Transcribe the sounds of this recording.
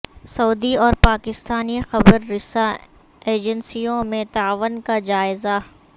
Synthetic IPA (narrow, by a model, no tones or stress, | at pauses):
sɐːd̪iɔːɾpaːkɪst̪aːnixɐbəɾːɪsa | eːd͡ʒənsijõmẽt̪aːʋənkad͡ʒaːɪza